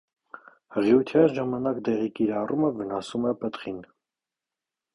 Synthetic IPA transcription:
həʁiut̪ʰjɑnʒɑmɑnɑkd̪ɛʁikiɾɑrʔuməvənɑsumɛpət̪χin

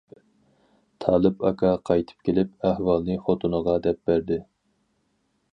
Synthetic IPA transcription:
t̪ʰɑːlˠɨpɑkʰɑqʰɑjt̪ʰɨ̥p̚kʲʰelɪp̚æhwɑlˠnɨχot̪ʰunəʁɑd̪ɛp̚bæɾd̪ɪ

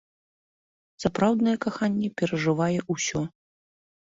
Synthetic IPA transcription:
sapɾawd̪nɐjɛkaxanʲːɛpʲɛɾɐʐɨvajɛʔusʲɔ

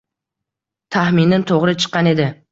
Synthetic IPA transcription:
t̪ʰahmɪnːɪnt̪ʰoʁɾɪt͡ʃʰɨ̥qːɑne̞d̪ɪ

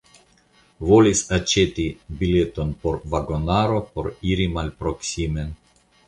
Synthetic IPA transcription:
volʲisat͡ʃet̪ibilʲet̪onpoɾvaɡonaɾopoɾiɾimalʲpɾoksʲimen

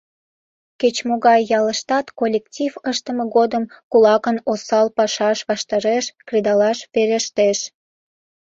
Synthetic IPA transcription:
ket͡ɕmoɣɑjːɑləʃt̪ɑt̪kolʲektʲivəʃt̪əməɣod̪əmkulɑkənosɑlpɑʃɑʃβɑʃt̪ɑɾeʃkred̪ɑlɑʃβeɾeʃt̪eʃ

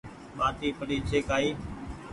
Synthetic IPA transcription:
maːt̪iːpəɗiːt͡ʃʰeːkaːiː

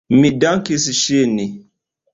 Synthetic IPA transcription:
midaŋkes̬iʃeni

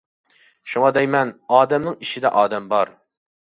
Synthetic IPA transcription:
ʃuŋɑd̪ɛjmɛnɑːd̪ɛmnɨŋiʃɪd̪ɛʔɑːd̪ɛmbɑɾ

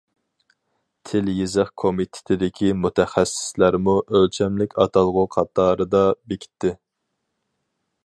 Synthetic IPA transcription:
t̪ʰɪljezəχkʰomit̪ʰɪ̥t̪ʰɪd̪ɪkʲʰimut̪ʰɛχæsɪ̥slæɾmuʔølt͡ʃʰɛmlɪkʲɑt̪ʰɑlˠʁʊqʰɑt̪ʰːɑːɾɨd̪ɑbekʲʰi̥t̪ʰːɪ

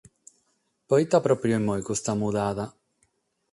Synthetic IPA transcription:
pɔit̪ːapɾɔpɾjoimːɔjkust̪amuðaːða

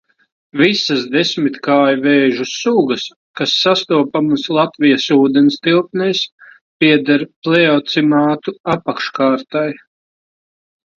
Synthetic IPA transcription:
visɐsd̪esʲmit̪kaːjvɛːʒusuːɡɐs | kasːast̪uɔpamuslˠat̪vijasuːd̪ɛnst̪ilˠpnɛjs | piɛd̪aɾplɛɔt̪simaːt̪uapakʃkaːɾt̪aj

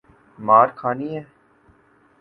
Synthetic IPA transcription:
maːɾkʰaːniɦɛː

